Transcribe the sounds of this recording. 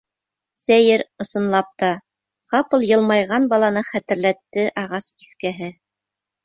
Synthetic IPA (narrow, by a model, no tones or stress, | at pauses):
sæjɘɾɤ̆sɤ̆nlˠɑp̚t̪ɑ | qɑpɤlˠjɤ̆lˠmɑjʁɑnbɑlˠɑnɤχæt̪ɘ̆ɾlæt̪ːɘʔɑʁɑsiθkæɦɘ